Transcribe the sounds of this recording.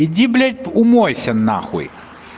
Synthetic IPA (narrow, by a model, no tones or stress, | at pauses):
idʲiblʲɐt̚ʲʊmɔjsʲɐnːa̰xʊ̰j